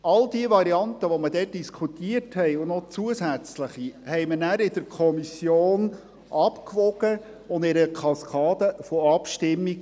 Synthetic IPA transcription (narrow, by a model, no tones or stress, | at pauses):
ɑldiəʋɑɾiɑnt̪əʋɔmədɛːt̚d̥iskʰutiːəɾthɛjʊnɔt͡suəsæt͡sləχihɛɪmənæɾɪd̥əɾkʰɔmisjoːn | ʔɑpkʋɔɡ̥ə | ʊnd̪ɪɾəkʰɑskʰɑːd̥̪əfɔɑpʃtɪmːik